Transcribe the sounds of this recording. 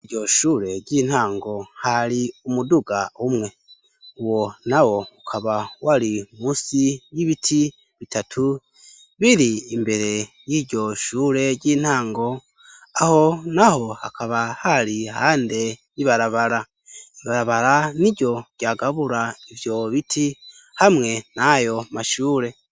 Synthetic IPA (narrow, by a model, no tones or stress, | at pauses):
ɟo̞ʃuːɾe̞ɟiːn̥haːŋɡo̞haɾiumuduɡaumŋe̞ | uwo̞nawo̞ukʰaβawaɾimuːsijiβitʰi | βitatʰu | βiɾiːmbe̞ɾe̞ | jiːɟo̞ʃuːɾe̞ɟiːn̥haːŋɡo̞ | aho̞naho̞hakʰaβahaɾihaːnde̞jiβaɾaβaɾa | iβaɾaβaɾaniɟo̞ɟ̥aːɡaβuɾaivjo̞βitʰi | hamŋe̞najo̞maʃuːɾe̞